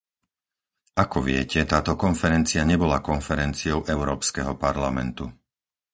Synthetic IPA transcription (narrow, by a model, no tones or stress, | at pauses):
ʔakɔʋɪɛ̰cɛt̪aːt̪ɔkɔnfɛɾɛnt͡siaɲɛbɔlakɔnfɛɾɛnt͡siɔʊʔɛʊɾɔːpskɛɦɔpaɾlamɛ̰nt̪u